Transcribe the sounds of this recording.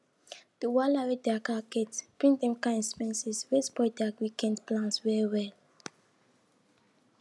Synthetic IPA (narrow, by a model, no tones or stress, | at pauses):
d̥uwalawedɛakakɛtpɹĩndɛ̃mkãĩspɛ̃nsɛswespɔdɛawikɛ̃ndplãntswɛɹiwɛl